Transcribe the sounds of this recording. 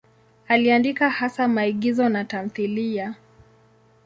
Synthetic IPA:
aliandikahasamaiɠizɔnatam̩θilia

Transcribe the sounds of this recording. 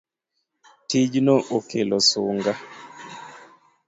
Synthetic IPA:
tid͡ʒnɔʔokelɔsuŋɡa

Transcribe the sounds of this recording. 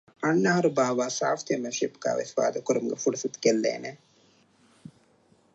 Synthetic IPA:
ɐnːɐɦɐɾubaːʋaːsaːft̪ijɐmeʃipɡ̥a̰ːʋḛsʋa̰ːd̪ɐkuɾumuɡefuɖusut̪kelːḛːne

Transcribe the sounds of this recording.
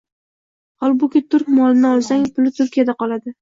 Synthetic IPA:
hɒlˠbʊkʲɪt̪ʰʊɾkʲmɒlɪnɪɒlˠsaŋpʰʊlɪt̪ʰʊɾkʲijad̪aqɒlad̪ɪ

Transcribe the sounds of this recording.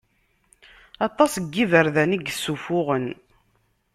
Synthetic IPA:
ɑt̪ˤːɑsəɡːivəɾðæniɡəsːufʊʁən

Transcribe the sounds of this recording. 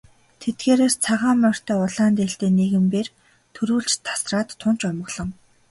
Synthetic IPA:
t̪ʰet̪̚ɡeːɾoːst͡sʰaʁaːmːœr̥t̪œːʊɮaːnt̪eɬt̪eːneɣɘ̆mpeːr | t̪ʰɵɾuːɬt͡ɕt̪ʰḁsraːt̪ʰːʊn̥t͡ɕɔmə̆ɣɮ̥ɞ̆ŋ

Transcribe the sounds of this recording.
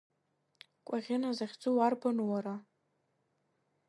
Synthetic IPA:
kʷʼaʁʲɪnazaχʲd͡zʼuwarbʰanwaɾa

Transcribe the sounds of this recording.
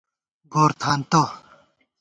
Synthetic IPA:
ɡoːɾt̪ʰaːnt̪o

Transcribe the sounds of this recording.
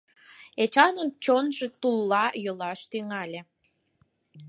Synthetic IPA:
et͡ɕɑnənt͡ɕonʒet̪ulːɑjolɑʃt̪yŋɑlʲe

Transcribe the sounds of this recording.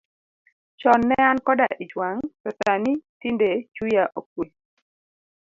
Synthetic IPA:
t͡ʃɔnːɛankɔda̰ʔit͡ʃwaŋtɔsanitindet͡ʃujaʔok̚we

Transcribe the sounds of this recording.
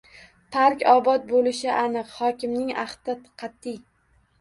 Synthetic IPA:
pʰaɾkʲɒbɒt̪̚bolɪʃɪʔanɨqhɒkʲɪmnɪŋaht̪ɪqʰɑt̪ʰːɪj

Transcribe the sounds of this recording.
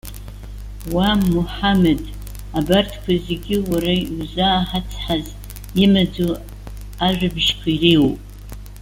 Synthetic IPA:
wamuħamed | abartʰkʷʰazeɡʲɪwaɾauzaːħat͡sʰħaz | ɪmad͡zo | aʒʷᶣabʃkʷʰairewpʼ

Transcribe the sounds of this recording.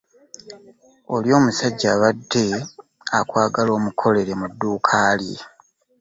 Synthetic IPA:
o̞ljo̞ːmusaɟːaːβadːe̞ | a̰kwaːɡaloːmukʰo̞le̞ɾe̞mudːuːkʰaːli

